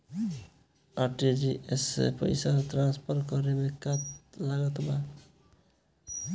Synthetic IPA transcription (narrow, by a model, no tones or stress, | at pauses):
aʈid͡ʒiʔesḛpʌ̰jsaɾt̪ɾãnspʰʌɾkʌɾemekat̪laɡɔt̪ba